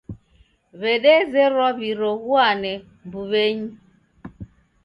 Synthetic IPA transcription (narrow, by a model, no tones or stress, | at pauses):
βɛɗɛzɛɾɔβiɾɔɣuanɛ | mbuβɛɲi